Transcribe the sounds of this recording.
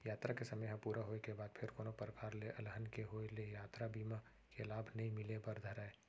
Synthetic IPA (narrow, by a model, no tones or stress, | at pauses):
jaːt̪ɾakesɐməjɦɐ̃puːɾaɦoːekebaːd̪̚pʰɪɾkoːnopɾəkaːɾleʔɐlɦənkeɦoːelejaːt̪ɾabʱiːma | kelaːbʱnɐɦĩmɪlebɐɾd̪ʱəɾae